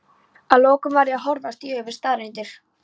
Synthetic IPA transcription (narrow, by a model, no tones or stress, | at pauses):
aðlɔːkʏmvaɾɪaðɦɔɾðast̪iøːvɪ̥ɾst̪aːɾejnt̪ɪɾ̥